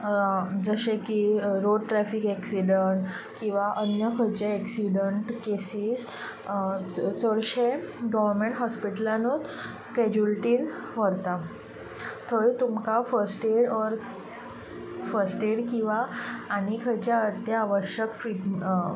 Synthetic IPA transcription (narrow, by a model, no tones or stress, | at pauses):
d͡zəɕẽkiɾoɖʈɾæfikɛksiɖəɳʈkĩw̃ʋaʔənjəkʰəɾt͡ɕeːksiɖəɳʈkesiːs | t͡səɽɕeɡɔʋəɾmeɳʈɦɔspiʈəlãnut̪ | kɛd͡ʑulʈiːnʋəɾt̪a | t̪ʰəɭit̪umkafəɾsʈeɽɔɾ | fəɾsʈeɽkĩw̃ʋaːnikʰəɾt͡ɕaət̪jaːʋəɕjəkfi